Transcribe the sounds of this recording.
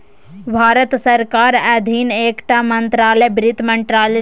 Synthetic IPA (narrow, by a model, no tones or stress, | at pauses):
bʱaːɾət̪səɾkaːɾəd̪ʱineːkʈamənt̪ɾaːlɛbɾɪt̪məɳʈɾaːlɛ